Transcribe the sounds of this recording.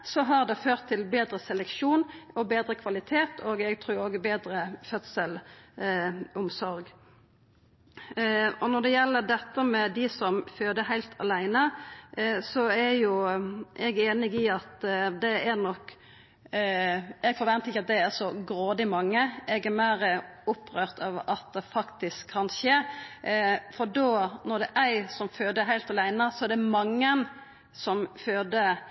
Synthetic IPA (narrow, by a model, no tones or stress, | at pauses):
sɔɦɑʁd̪ɛføːʁt̪ʰːɪlbeːd̪ɾəsɛlɛkʃuːnɔbeːd̪ɾəkʰʋɑlɪt̪ʰeːt̪ʰoːɡɛɡt̪ʰɾuːɾoɡbeːd̪ɾəfœt̪səl | ʊmsɔɾɡ | ɔnɔʁd̪ɛjɛlːəd̪ɛt̪ːəmɛd̪ɪsɔmføːd̪əhæɪlt̪ʰɑ̰læɪnə | sɔæjʊʔɛɡeːnɪɡɪɑt̪d̪ɛæɾnɔkː | ɛɡfɔɾʋɛnt̪əɪçːɑt̪̚d̪ɛæɾsɔɡɾoːd̪ɪmɑŋːəʔɛɡɛmæɪɾəʊpːɾøːɾt̪ʰɑʋɑt̪̚d̪ɛfɑkt̪ɪskʰːɑnʃeː | fɔɾɖoːnɔd̪ɛʔæɪsɔmføːd̪əɦæɪlt̪ɑlæɪnəsɔɛɾd̪ɛmɑŋːən | sɔmføːd̪ə